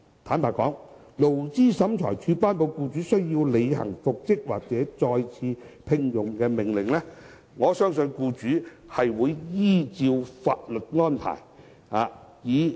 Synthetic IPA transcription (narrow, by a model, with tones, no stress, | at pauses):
t̪ʰaː˨˥npaː˨kɔː˨˥ŋ | lo˨˩wt͡siː˥˩sɐ˨˥mt͡ʃʰɔ̰ː˨˩jt͡ʃʰyː˧paː˥npo˧wkuː˧t͡syː˨˥sɵ˥ɥjiː˧wle˨˧jhɐ̰˨˩ŋfʊ˨k̚t͡sɪ˥k̚waː˨k̚t͡sɛː˨˦˥t͡sɔː˧jt͡sʰiː˧pʰɪ˧ŋjʊ˨ŋkɛː˧mɪ˨˩ŋlɪ˨˩ŋlɛː˥ | ŋɔː˨˥sœː˥ŋsɵ˧nkuː˧t͡ʃyː˨˥ | hɐ˨jwuː˨˧jjiː˥t͡siː˧wfaː˧t̚lɵ˨t̚ŋɔː˥npʰa̰ː˨˩j | haː˨˧jiː˨˧